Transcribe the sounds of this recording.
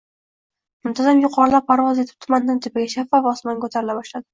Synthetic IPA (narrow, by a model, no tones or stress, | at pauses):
mʊmt̪ʰazamjʊqʰɒɾɪlap̚pʰːaɾvɒzet̪ʰɪ̥p̚t̪ʰʊmand̪ɪnt̪ʰɪpɪɡʲaʃafːavːsmankʰɵt̪ʰaɾɪlabɒʃlad̪ɪ